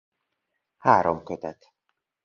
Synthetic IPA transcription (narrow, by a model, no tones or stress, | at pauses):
haːɾomkʰøt̪ʰæt̪